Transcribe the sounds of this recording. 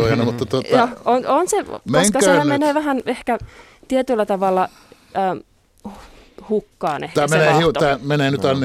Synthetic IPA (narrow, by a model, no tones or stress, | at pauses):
ojɑnɑmut̪ːɑt̪ot̪joononsemsŋkɑskøæmmeneːʋæhænehkæ | t̪iet̪ylːæt̪ɑʋɑlːɑː | hukːɑːnḛhkt̪æːmeneːhiut̪æːmeneːnyt̪ɑnː